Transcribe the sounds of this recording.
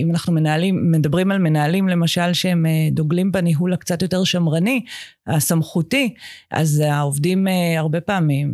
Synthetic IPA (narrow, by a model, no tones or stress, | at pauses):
imanaχnume̞naaliːe̞dabʁimalme̞naːlimle̞maʃalʃeemedoɡlimbeniɦulakt͡satjo̞te̞ʁʃamʁani | asamχutiʔa̰zaovdimeaʁbe̞paamim